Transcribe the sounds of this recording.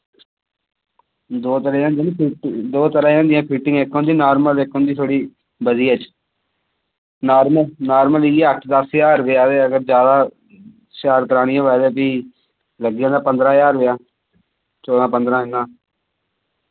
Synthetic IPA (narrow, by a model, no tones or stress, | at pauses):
d̪oːt̪əɾaãːnd̪ipʰiʈd̪oːt̪əɾãːjãːnd̪ɪjãːpʰiːʈɪ̃ŋɡɪkɦõːnd̪iːnaːɾməleɪkɦõːnd̪iːt̪ʰoːɽiː | bəziːət͡ʃ | naːɾməlnaːɾməlːeəkʈʰd̪əsjaːɾʋeaːd̪eːəɡəɾd͡ʒjaːd̪aː | saːɾkəɾaːñɪjãːʋɛːdeːpiː | ləɡɪjãːd̪aːpənd̪ɾãːjaːɾʋejaː | t͡ʃoːd̪ãːpənd̪ɾãːɦɪnãː